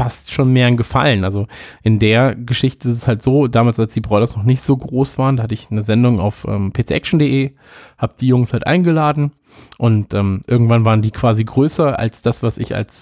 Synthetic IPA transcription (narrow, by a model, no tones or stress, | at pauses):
fastʃoːnmeːɐɪnɡəfa̰lənʔalzoʔɪndeːɐɡəʃɪçtəɪstɛshaltz̥oːdaːmaːlsalsd̥iːbʁɔʏɾɐsnɔχnɪçtz̥oːɡʁoːsv̥aːʁəndaːhatəɪçnəzɛndʊŋa̰ʊfʔɛ̰ːmpʰeːt͡sḛʔɛkʃn̩deʔeː | haːbəd̥iːjʊŋshaltʔa̰ɪnɡəlaːdn̩ | ʔʊntʔɛːmʔɪɐɡŋ̩tv̥anvaːʁəndiːkʰv̥aːziɡʁøːsɐa̰lsd̥asv̥asɪ̰ça̰ls